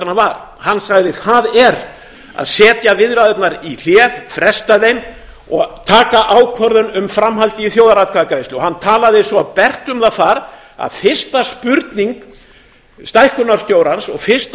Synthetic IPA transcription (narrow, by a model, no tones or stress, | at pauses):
ɾnavaɾ | hanːsaɣðɪθaðɛɾ | a̰ðsɛːt̪javɪðɾaðɛt̪naɾil̥ɛːvfɾɛst̪aðejm | ɔɣt̪ʰaːkaʔaːwkʰvɔɾðʏnʏmfɾamɦalt̪ɪiθjoːwðaɾaðkʰaðakɾejst̪ʏɔhanːt̪ʰaːlaðɪsɔpɛr̥t̪ʏmθaθaɾ | a̰ðfɪr̥st̪aspʏɾt̪niŋk | st̪ajhkʏnːaɾ̥st̪joːwɾansɔɣfɪr̥st̪